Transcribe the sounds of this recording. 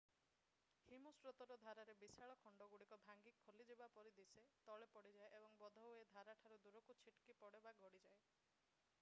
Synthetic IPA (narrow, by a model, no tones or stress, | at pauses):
himusɾot̪ɔɾɔd̪ʱaɾaɾebisaɭɔkʰɔɳɖɔɡuɽikɔbʱaŋɡikʰːolid͡ʒebapɔɾid̪iset̪ɔɭepɔɽid͡ʒaeʔebɔŋbɔd̪ʱɔed̪ʱaɾaʈʰaɾud̪uɾɔkut͡ʃʰiʈkipɔɽebaɡʱɔɽid͡ʒae